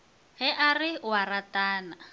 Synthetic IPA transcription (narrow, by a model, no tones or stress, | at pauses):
ɦɛʔarɪwarataːna